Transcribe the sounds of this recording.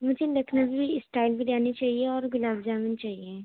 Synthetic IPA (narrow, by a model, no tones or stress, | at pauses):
mʊd͡ʒʱelɐkʰnabʱibʱisʈaːɪlbʱiɾaːnit͡ʃaːɦieɔːɾɡʊlaːbd͡ʒaːmint͡ʃaːɦie